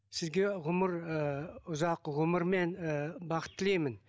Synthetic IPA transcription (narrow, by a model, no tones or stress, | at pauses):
sɪzɡʲe̞ʁʊməɾəʊzɑqʁʊməɾme̞nbɑqə̥t̪ʰːɪlejmɪn